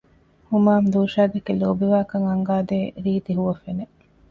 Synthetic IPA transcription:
humaːmd̪uːʃaːɡ̪ɐkiloːbiʋaːkɐŋɐŋɡaːd̪eːɾiːt̪iɦuʋɐfene

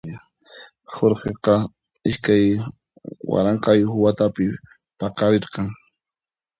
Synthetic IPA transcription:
hoɾqeqɑ | ɪʃkaj | wa̰ɾɑɴqɑjxʊwat̪apɪ | pɑqɑɾeɾqɑŋ

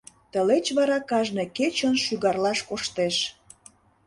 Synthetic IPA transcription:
t̪əlet͡ɕβɑɾɑkɑʒneket͡ɕənʃyɣɑrlɑʃkoʃt̪eʃ

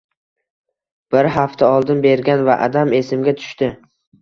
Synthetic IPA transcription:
b̥ɪɾɦaft̪ʰaɒlˠd̪ɪnbe̞ɾɡʲanvaʔa̰d̪ame̞sɪmɡʲat̪ʰʊ̥ʃt̪ɪ

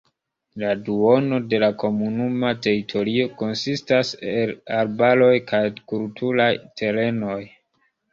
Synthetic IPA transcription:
laduo̞no̞de̞lako̞munumate̞ɾitʰo̞ɾio̞ko̞nsistaselaɾbalo̞jkajkultʰulajtʰe̞ɾe̞no̞j

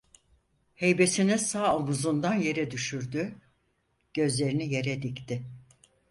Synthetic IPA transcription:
he̞jbe̞sinisaːomuzund̪anje̞ɾɛd̪yʃyɾd̪y | ɟ̥ø̞zlʲe̞ɾinije̞ɾɛd̪ikt̪ʰɪ

